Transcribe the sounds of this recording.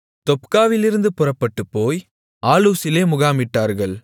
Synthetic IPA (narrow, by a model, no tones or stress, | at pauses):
t̪ɔpkaːʋɪlɪɾɯnd̪ɯpʊrɐpːɐʈːɯpːoːj | aːluːsɪleːmʊɣaːmɪʈːaːɾɣɐɭ